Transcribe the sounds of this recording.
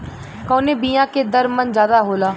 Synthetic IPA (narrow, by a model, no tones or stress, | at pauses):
koːneːbiːjãːkeːd̪əɾmənd͡ʒjaːd̪aːɦoːlaː